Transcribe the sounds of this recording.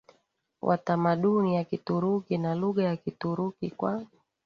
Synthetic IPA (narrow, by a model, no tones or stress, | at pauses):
wʔa̰tamaɗunijakituɾukinaluɠajakituɾukikwa